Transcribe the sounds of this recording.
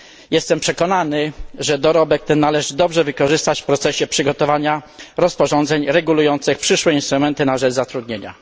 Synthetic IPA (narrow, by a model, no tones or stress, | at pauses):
jɛst̪ɛmpʂɛkɔnanɘʐɛd̪ɔɾɔbɛk̚t̪ɛnːalɛʐɘd̪ɔbʐɛvɘkɔʐɘst̪at͡ɕfpɾɔt̪sɛɕɛpʂɘɡɔt̪ɔvaɲaɾɔspɔʐɔnd̪zɛɲɾɛɡulujɔnt̪sɘxpʂɘʂwɛinst̪ɾumɛnt̪ɘnaʐɛt͡ʂzat̪ɾud̪ɲeɲa̰